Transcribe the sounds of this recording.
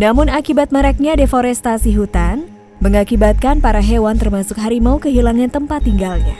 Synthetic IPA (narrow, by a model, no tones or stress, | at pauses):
namʊnakibat̪̚məɾɛk̚ɲadefoɾɛst̪asiɦut̪an | məŋakibat̪̚kanpaɾaɦewant̪ərmasʊkɦaɾimaukəɦilaŋant̪əmpat̪ːiŋɡalɲa